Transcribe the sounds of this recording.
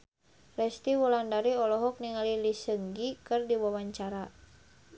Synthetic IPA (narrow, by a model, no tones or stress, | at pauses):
rɛst̪iwulandaɾiɔlɔɦɔk̚niŋalilisəŋɡikɨrdiwawaɲt͡ʃaɾa